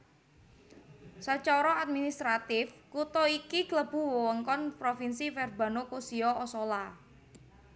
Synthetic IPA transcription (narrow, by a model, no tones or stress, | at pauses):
sət͡ʃɔɾɔat̪̚minist̪ɾat̪ɪfkut̪ɔikikləb̥ṳwowəŋkɔnpɾofinsifɛrba̤nokosiɔʔɔsɔla